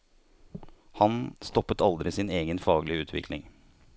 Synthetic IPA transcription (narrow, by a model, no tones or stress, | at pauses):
hɑnst̪ɔpːət̪ɑld̪ɾɪsɪneːɡənfɑːɡəlɪəʉːt̪ʰʋɪ̰kʰlɪ̰ŋ